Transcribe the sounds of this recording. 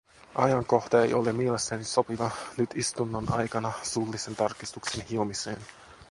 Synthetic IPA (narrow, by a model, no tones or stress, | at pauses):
ʔɑ̰jɑŋko̞xt̪ɑḛjo̞̰lemielest̪ːæniso̞piʋɑnyt̪ist̪unːonɑ̰jkɑnɑsulːise̞nt̪ɑrkist̪uksenhiomisḛːn